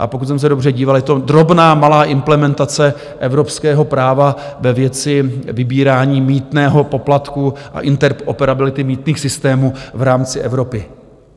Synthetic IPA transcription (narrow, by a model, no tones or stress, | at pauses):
ʔa̰pokut̪s̬ɛms̬ɛdobrɛɟiːvaljɛt̪o̞d̪ɾo̞bnaːmalaːʔɪmplɛmɛnt̪at͡sɛ | ʔɛvɾo̞pskɛːɦo̞pɾaːva | vɛvjɛt͡sɪvɪbiːɾaːɲiːmiːt̪nɛːɦo̞po̞plat̪kuʔa̰ʔɪnt̪ɛɾopɛɾabɪlɪt̪ɪmiːt̪niːxsɪst̪ɛːmuːvɾaːmt͡sɪʔɛvɾo̞pɪ